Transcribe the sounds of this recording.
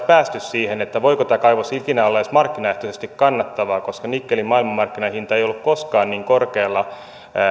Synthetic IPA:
pæːst̪yssiːhenet̪ːæʋoikot̪ækɑiʋosilk̪inæolːɑjosmɑrkːinɑeht̪osest̪ikkɑnːɑt̪ːɑʋɑːkoskɑnikːelimmɑilmɑmɑrkːinɑhint̪ɑejolːukkoskɑːnniːŋkorkeːlːɑ

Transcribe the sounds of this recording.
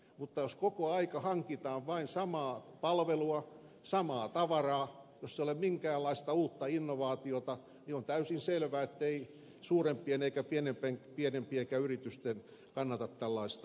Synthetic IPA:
mut̪ːɑjoskokoɑikɑhɑŋkit̪ɑːʋʋɑinsɑmɑːpɑlʋeluɑ | sɑmɑːt̪ɑʋɑrɑːjosːeiolemmiŋkæːlɑist̪ɑuːt̪ːɑinːoʋɑːt̪iot̪ɑ | niont̪æysinselʋæet̪ːei | suːrempːˑieneikæpienempeŋpienempiekæyrit̪yst̪en | kɑnːɑt̪ɑt̪t̪ælːɑist̪ɑ

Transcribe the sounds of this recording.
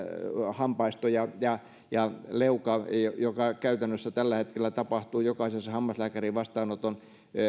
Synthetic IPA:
hɑmpɑist̪ojɑjɑ | jɑleukɑjojokɑkæyt̪ænːøsːæt̪ælːæhet̪kelːˑæt̪ɑpɑht̪uːjokɑisesːɑhɑmːɑslæːkæriʋʋɑst̪ɑːnot̪on

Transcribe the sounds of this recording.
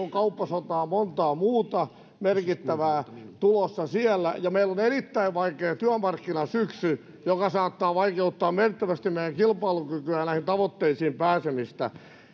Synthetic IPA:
oŋkɑupːɑsot̪ɑːmont̪ɑːmuːt̪ɑ | merkit̪ːæʋæːt̪ulosːɑsiɛlːæ̰jɑmeilːonerit̪ːæiʋʋɑikeːt̪yæmɑrkːinɑsyksy | jokɑsɑːt̪ːɑːʋɑikeut̪ːɑːmmert̪ːæʋæst̪immeijæŋkilpɑilukykyæːnæihint̪ɑʋot̪ːeisiːmpæːsemist̪æ̰

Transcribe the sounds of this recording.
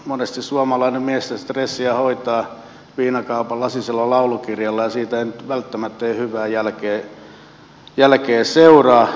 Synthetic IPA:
monest̪issuɑmɑlɑinemmiest̪æst̪resːiɑhoit̪ɑː | ʋiːnɑkɑupɑlːɑsiselːolɑulukirjɑlːɑjɑsiːt̪æeˑinyt̪ʋælt̪ːæmæt̪ːeihyʋæːjælkeː | jælkeːseurɑː

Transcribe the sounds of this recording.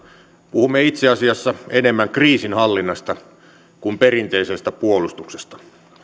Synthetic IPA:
puhumːeit̪seɑsiɑsːɑenemːæŋkriːsinhɑlːinːɑst̪ɑ | kumperint̪eisest̪æpuolust̪uksest̪ɑ̥

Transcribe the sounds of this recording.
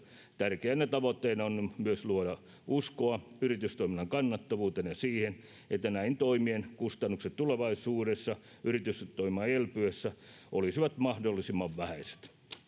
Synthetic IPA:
t̪ærkeænːet̪ɑʋot̪ːeinɑonmyøsluodɑ | ʔuskoɑyrit̪yst̪oiminːɑŋkɑnːɑt̪ːɑʋuːt̪enjɑsiːhen | et̪ːænæint̪oimienkust̪ɑnːukset̪t̪uleʋɑisuːɾesːɑ | yrit̪yst̪t̪oimɑelpyesːæ | ʔolisiʋɑt̪mɑhdolːisimːɑʋʋæhæse̥t̪

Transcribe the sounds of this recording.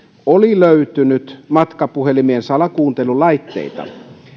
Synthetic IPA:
oliløyt̪ynyt̪mɑt̪kɑpuhelimiensɑlɑkuːnt̪elulɑit̪ːḛit̪ɑ̰

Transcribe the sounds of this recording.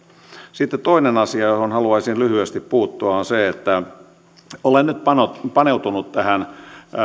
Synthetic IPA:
sit̪ːet̪t̪oinenɑsiɑjohonhɑluɑisinlyhyest̪ippuːt̪ːuɑonseet̪ːæ | olennyt̪pɑnopɑneut̪unut̪t̪æhæn

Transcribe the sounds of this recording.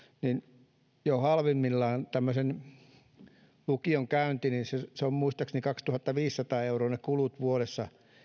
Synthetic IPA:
nin | johɑlʋimːilːɑːnt̪æmːøsen | lukioŋkæynt̪ininseseommuist̪ɑksnikɑkst̪uhɑt̪ːɑʋiːssɑt̪ɑːeuroːnekulut̪ʋuoɾesːɑ

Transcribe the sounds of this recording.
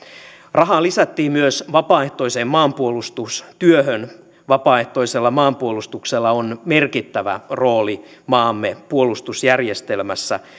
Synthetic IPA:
rɑɦɑlisæt̪ːiːmmyøsʋɑpɑːeht̪o̞isemmɑːmpuolust̪ust̪yøhøn | ʋɑpɑːeht̪o̞iselːɑmɑːmpuolust̪ukselːɑonmerkit̪ːæʋæ̰roːlimɑːmːepuolust̪usjærjest̪elmæsːæ

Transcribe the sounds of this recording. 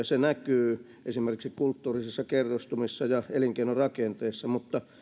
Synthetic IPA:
ɑsenækyː | ʔesimerkiksikkult̪ːuːrisisːɑkerːust̪umisːɑjɑeliŋkeinorɑkent̪eːsːɑmut̪ːɑ

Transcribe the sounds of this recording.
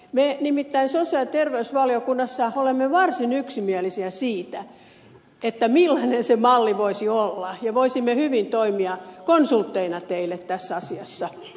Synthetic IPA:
menimit̪ːæinsosiɑt̪erʋeysʋɑliokunːɑsːɑolemːeʋɑrsinyksimiælisiæsiːt̪æ | et̪ːæmilːɑinensemɑlːiʋoisiolːɑjɑʋoisimːehyʋint̪oimiɑkonsult̪ːeinɑt̪eilːˑet̪t̪æsːæɑsiɑsːɑ

